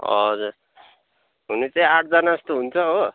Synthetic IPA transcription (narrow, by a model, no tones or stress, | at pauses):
ʌ̰d͡zuɾ | ɦunit͡saĩaʈ̚ʰd͡zʌnast̪oɦunt͡sʰʌɦo